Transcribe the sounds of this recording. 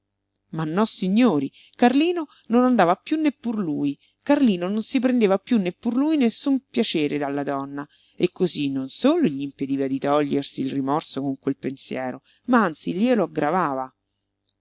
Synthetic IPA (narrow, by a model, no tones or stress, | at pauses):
manːɔsːiɲːoːɾi | karliːno | nonand̪aːvapjunːepːurluːj | karliːnononsip̬ɾend̪eːvapjunːepːurluːjnesːumpjat͡ʃeːɾed̪alːad̪ɔnːa | ekːozinːonsoːloʎːiːmped̪iːvad̪it̪ɔʎːersiːlrimɔrsokoŋkwelpensjɛːɾo | maant̪silieloaɡːɾavaːva